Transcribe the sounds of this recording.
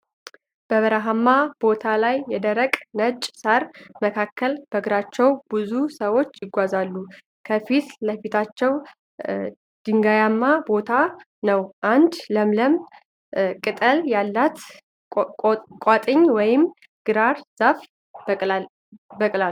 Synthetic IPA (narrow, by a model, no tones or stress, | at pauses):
b̥əβəɾaɦamːab̥o̞t̪ʰalajːɛd̪əɾəkʼnət͡ʃʼsaɾməkʰakʰːəlb̥əɡɨɾat͡ʃːɛwb̥ɨzusəwo̞t͡ʃːjɪɡʷazalːu | kʰəfit̪ləfit̪ʰat͡ʃːɛw | d̪̥ɨŋɡajamːabo̞t̪ʰa | nəwʔand̪ləmləm | kʼɨt̪ʼəljalːat̪ | kʼat̪ʼɨɲːwɔjɪm | ɡ̥ɨɾaɾz̥af | bəkʼla